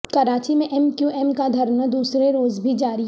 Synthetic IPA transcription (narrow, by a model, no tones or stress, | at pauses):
kɐɾaːt͡ʃimẽʔɛmkjuʔɛmkad̪ʱɐɾnəd̪uːsɾeɾoːzbʱid͡ʒaːɾi